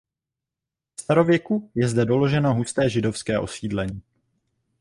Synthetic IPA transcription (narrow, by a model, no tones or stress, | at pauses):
st̪aɾo̞vjɛkujɛzdɛdo̞lo̞ʒɛnoɦust̪ɛːʒɪdofskɛːʔo̞siːdlɛɲiː